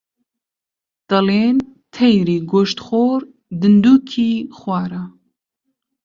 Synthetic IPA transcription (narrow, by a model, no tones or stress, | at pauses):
d̪̥ɐleːnt̪ʰɛjɾiːɡoʃt̪xoːɾ | d̪ɨnd̪uːkʰiːxwʷɑːɾɐ